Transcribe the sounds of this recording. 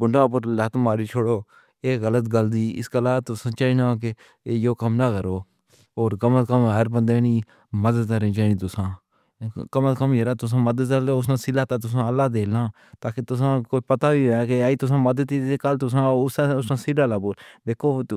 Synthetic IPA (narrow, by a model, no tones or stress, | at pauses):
bʊɳɖãːʊp̬əɾlət̪maːɾiːt͡ʃʰoːɽoː | eːɣələt̪ɡəld̪iːɪ̰skəlaːt̪ʊsãːt͡ʃaːinaːke | joːkəmnaːkəɾoː | oːɾkəməkəmɦəɾpənd̪eːniː | məd̪əd̪aɾẽːd͡ʒaːnĩːt̪ʊsãː | kəmət̪kəmeːɾaːt̪ʊs̬ãːməd̪əd̪əleːʊsnãːsɪlaːt̪aːt̪̬ʊs̬ãːəlːaːd̪eːlãː | t̪aːkeːt̪ʊs̬ãːkoːipət̪aːʋiːɛːkeaːiːt̪ʊs̬ãːməd̪əd̪iːekəlt̪ʊs̬ãːʊsaʊsnãːsiɖaːlaːboːld̪eːkʰoː